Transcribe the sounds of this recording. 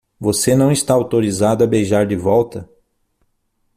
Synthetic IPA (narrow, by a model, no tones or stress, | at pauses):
vosenɐ̃w̃ist̪aawt̪oɾizad̪ʊɐbejʒaɾd͡ʒɪvɔwt̪ɐ